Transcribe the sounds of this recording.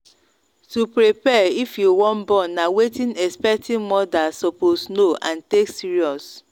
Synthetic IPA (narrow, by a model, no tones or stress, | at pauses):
tupɹipɛifjuwɔ̃nbɔ̃nːawetĩnɛspɛk̚tĩnmɔdasɔposnoʔãnteksiɹiɔs